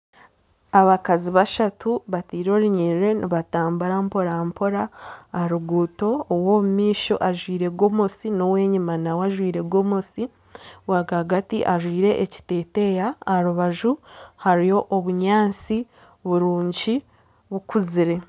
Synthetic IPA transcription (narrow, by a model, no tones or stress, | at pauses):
aβakaziβaʃatuβatiːɾo̞ːɾuɲiiɾe̞niβataːmbaɾampo̞ɾaampo̞ɾaːɾuɡuːto̞ːwomumiːʃo̞̰ʔaʒwiːɾe̞ɡo̞mosinowe̞ːɲimanawaʒwiːɾe̞ɡomosi | waɡaɡatiʔaʒwiːɾe̞ʔeci̥te̞ːte̞jaːɾuβaʒuhaɾijo̞ʔoβuɲaːnt͡si | βuɾuːɲɟi | βukuziɾe̞